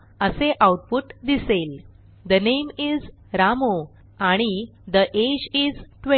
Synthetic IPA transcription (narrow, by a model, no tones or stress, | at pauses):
əseʔawʈ̚puʈd̪isel | d̪ənejmiz | ɾamo | aɽ̃id̪əʔed͡ʑid͡zʈʋe